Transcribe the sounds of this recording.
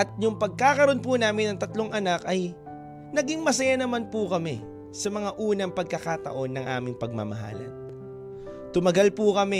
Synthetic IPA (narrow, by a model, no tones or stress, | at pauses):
ʔɐt̪̚jʊŋpɐɡ̚kakɐɾo̞npunaːmɪnɐŋt̪ɐt̪lo̞ŋʔɐnakɐj | nɐɡiŋmɐs̬ɐjanɐmanpukɐmɛ | sɐmɐŋaʔuːnɐŋpɐɡ̚kɐkat̪ɐ̰ʔo̞nːɐŋʔa̰ːmɪŋpɐɡ̚mɐ̰mɐ̰ɦa̰ːlɐ̰n | t̪ʊmɐɡalpukɐmɛ